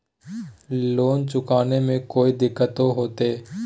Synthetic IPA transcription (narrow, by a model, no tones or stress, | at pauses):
loːnt͡ʃʊkaːnemẽkoːid̪ɪkʰːət̪oɦoːt̪eː